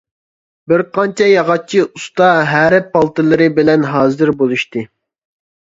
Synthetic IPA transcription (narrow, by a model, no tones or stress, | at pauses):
bɪɾqɑnt͡ʃʰɛjɑʁɑt͡ʃʰiust̪ɑɦæɾɪpːɑlˠt̪ɨlˠɨɾɨbɪlɛnɦɑːzɨɾbolˠuʃt̪ɨ